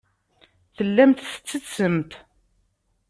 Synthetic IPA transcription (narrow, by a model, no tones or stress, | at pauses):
θəlːæmt̪θə̥t͡sːət͡sːəmt̪